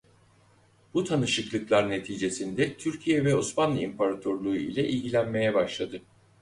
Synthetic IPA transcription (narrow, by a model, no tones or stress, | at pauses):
b̥ut̪ʰanɯʃɯklˠɯklˠaɾne̞t̪ʰiːd͡ʒe̞sind̪ɛt̪ʰyɾcʰijɛvɛosmanlˠɯimpaɾat̪ʰøɾlˠuṵḭlʲɛʔilʲɟilʲænme̞jɛbaʃlˠad̪ɯ